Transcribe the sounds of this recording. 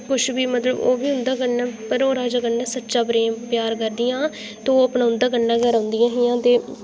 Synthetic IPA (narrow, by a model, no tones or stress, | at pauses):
kʊʃbiːmət̪ləbo̰ːbiːɦʊnd̪aːkəaːpəɾoːɾaːd͡ʒaːkənːaːsətːʃaːpɾeːmpjaːɾkəɾd̪ɪjãː | t̪eoːəpnãːʊ̃nd̪aːkənːãːɡəɾãːnd̪ɪjãːɦɪjãːt̪eː